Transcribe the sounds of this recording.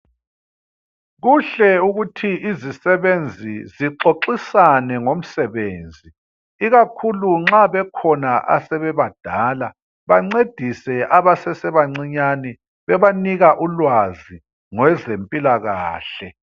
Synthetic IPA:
ɣuɬɛuɣutʰiizisɛβend͡zʱiziǁoǃisanɛŋom̩sɛβeːnd͡zʱi | iɣakʰuluŋ͡ǁaβɛkʰɔnaʔa̰sɛβɛβad̥ʱaːla | βaŋ͡ǀed̥ʱisɛʔaβasɛsɛβaŋ͡ǀiɲani | βɛβaniɣaʔulwazi | ŋwɛzempʼilaɣaːɬɛ

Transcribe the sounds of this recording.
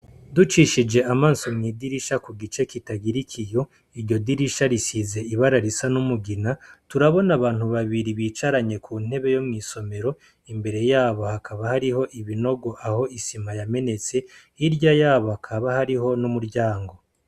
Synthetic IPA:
dut͡ʃiʃid͡ʒe̞ʔamaːnsomŋiːdiɾiʃakuɡit͡ʃe̞kitaɡiɾikʰijo̞ | iɾɟo̞diɾiʃaɾisize̞iβaɾaɾisanumuɡinatuɾaβo̞naβaːn̥huβaβiɾiβiːt͡ʃaɾaɲe̞kʰuːn̥e̞βe̞jo̞mŋiːso̞me̞ɾo̞ | imbe̞ɾe̞jaːβo̞hakʰaβahaɾiɦo̞ʔiβino̞ɡo̞ʔaho̞isimajame̞ne̞t͡se̞ | iɾɟajaːβohakʰaβahaɾiɦo̞numuɾɟaːŋɡo̞

